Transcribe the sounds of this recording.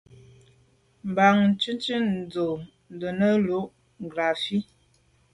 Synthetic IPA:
m˨ba˨ŋ˦t͡ʃʉ˦nt͡ʃi˦n˨d͡zo˨ | n˨də˨nə˦lu˨˦ʔ | ɡla˨fi˦

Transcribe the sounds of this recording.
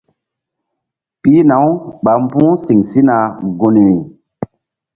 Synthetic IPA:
pi˦na˨˦wɓa˨m˦pũ˦si˨ŋsi˦na˨ɡu˨ni˨i˨

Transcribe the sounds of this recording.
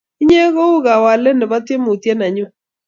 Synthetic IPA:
i˦ɲe˦ɣo˦u˦ɣa˨wa˨le˦ne˨ba˦t̪je˦mo˨t̪je˦na˨ɲʊ˦

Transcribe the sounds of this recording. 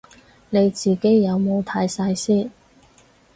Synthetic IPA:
ne˨˧jt͡siː˨˩ke˥jːɐ˨˧wmo˨˧wt̪ʰɐ˨˥jsaː˧jsiː˥˩n

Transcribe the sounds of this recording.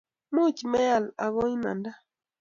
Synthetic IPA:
mu˦˨t͡ʃmɛ˦a˨la˨ɣɔ˦i˦na̰˨nda˦

